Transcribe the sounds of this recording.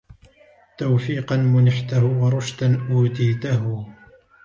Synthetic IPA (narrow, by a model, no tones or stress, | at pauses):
t̪awfiːqɑnmʊnɪħt̪ahʊwɑɾˤʊʃt̪anʔuːt̪iːt̪aɦʊ